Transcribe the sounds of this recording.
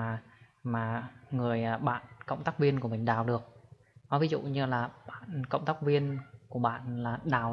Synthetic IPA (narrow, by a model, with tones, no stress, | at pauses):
maː˨˩ŋɨ˨˩əjaː˨˩ɓa̰ː˧˨nkə̰˧˨wŋ͡mt̪aː˦˥k̚vi˧ənku˧˩əmï˨˩ŋ̟ɗaː˨˩wɗɨ˨˩ək̚ | nɔ˨˦vi˨˦zṵ˧˨ɲɨ˧laː˨˩ɓa̰ː˧˨nkə̰˧˨wŋ͡mt̪aː˦˥k̚vi˧ənku˧˩əɓa̰ː˧˨nlaː˨˩ɗaː˨˩w